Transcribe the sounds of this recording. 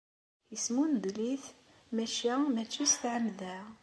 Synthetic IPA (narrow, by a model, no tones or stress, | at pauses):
jəsmund̪liθ | mæʃæmæt͡sːust̪ʕəmðæ